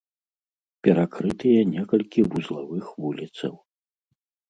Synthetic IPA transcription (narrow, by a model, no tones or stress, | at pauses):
pʲɛɾakɾɨt̪ɨjɐnʲɛkɐlʲkʲivuzlˠavɨxvulʲit̪sɐ̰w